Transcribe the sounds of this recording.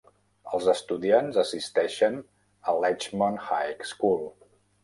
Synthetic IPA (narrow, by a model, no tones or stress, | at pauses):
əlˠzəst̪uðianzəsist̪ɛʃən | əlɛt͡ʃmonxajkskulˠ